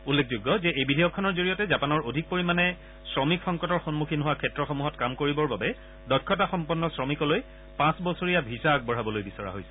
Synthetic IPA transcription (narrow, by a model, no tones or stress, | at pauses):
ulːek̚ʰzuɡːɔzɛejbidʱejɔkʰːɔnɔɹzoɹijɔtɛzapanɔɹodʱik̚poɹimanɛ | sɹɔmikxɔŋkɔtɔɹxonmukʰinɦʊwakʰɛtɹɔxomuɦɔtkamkoɹibɔɹbabɛ | dɔkʰːɔtaxɔmpɔnːɔsɹɔmikɔloj | pãsbɔsoɹijabʱisak̚bɔɹ̤abɔlojbisɔɹa̰ɦojsɛ̥